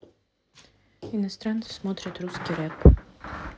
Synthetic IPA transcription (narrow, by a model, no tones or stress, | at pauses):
inɐst̪ɾant̪si̥smɔt̪ɾʲɐt̪ɾuskʲiɾɛp